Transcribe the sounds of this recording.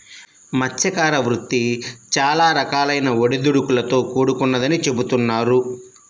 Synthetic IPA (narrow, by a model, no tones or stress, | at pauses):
mɐtʰʃjɐkaːɾɐʋɾut̪ːit͡ʃaːlaːɾɐkaːlɐjnɐoɽid̪uɽukulɐt̪o̞ːkuːɽukunːɐd̪ɐnit͡ʃe̞but̪unːaːɾu